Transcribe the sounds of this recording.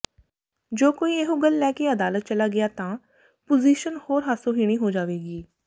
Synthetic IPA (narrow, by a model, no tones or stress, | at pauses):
d͡ʒoːkoːiːeɦoːɡəlːɛːkeːəd̪aːlət̪̚t͡ʃəlaːɡɪaːt̪ãː | pʊziːʃənhoːɾɦaːsõːɦiːɽ̃iːɦoːd͡ʒaːʋeːɡiː